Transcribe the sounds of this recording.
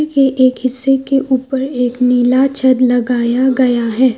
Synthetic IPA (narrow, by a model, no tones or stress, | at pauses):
ɾkeʔeːkɦɪsːekeʔuːpəɾeːkniːlat͡ʃʰɐd̪lɐɡaːjaɡɐjaɦɛː